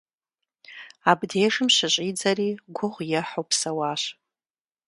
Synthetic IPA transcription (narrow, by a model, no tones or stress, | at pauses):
abdejʂɨmʃaɕʷʼid͡zaɾiɡʷʊʁʷjaħopʰsawaʃʷ